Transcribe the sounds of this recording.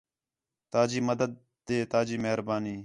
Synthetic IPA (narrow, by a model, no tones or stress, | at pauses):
t̪aːd͡ʒiːməd̪əd̪̚ːeːt̪aːd͡ʒiːməɦɾbaːniː